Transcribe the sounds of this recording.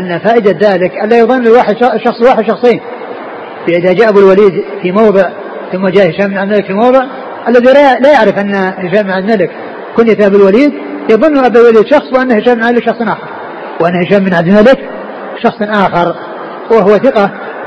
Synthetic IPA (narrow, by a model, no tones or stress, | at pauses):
ʔanːafaːʔɪd̪aðaːlɪkʔalːajɑðˤɨnːɪlwaːħɪd̪ʃɑʃɑxsˤlwaːħɪd̪ʃɑxsˤejːn | bɪʔɪðad͡ʒaːʔabulwaliːd̪fimɑwðˤɨʕ | θʊmːad͡ʒaːʔhɪʃaːmɪnʕad̪malɪkfilmɑwðˤɨʕ | ʔalːaðilalajaʕɾɪfʔanːahɪʃaːmːɪnʕad̪malɪk | kʊnːjɪθabɪlwaliːd̪ | jɑðˤʊnːuʔabalwaliːd̪ʃɑxsˤwʔanːahɪʃaːmːɪnʕalɪkʃɑxsˤnʔaːxɑɾˤ | wʔanːahɪʃaːbmːɪnʕad̪malɪk | ʃɑxsˤnʔaːxɑɾˤ | wɪɦʊwːaθɪqɑ